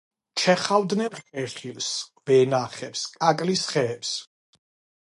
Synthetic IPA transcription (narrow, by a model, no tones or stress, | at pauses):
t͡ʃʰɛχavd̪nɛnχɛχilsvɛnaχɛpskʼakʼlisχɛːps